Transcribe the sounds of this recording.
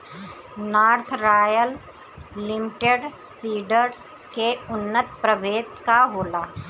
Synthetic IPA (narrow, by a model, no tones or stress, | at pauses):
naːɾt̪ʰɾaːjəlː | ɪmɪʈeɖsiːɖəɾs | keʊnːət̪̚pɾəʋeːt̪kaɦoːlaː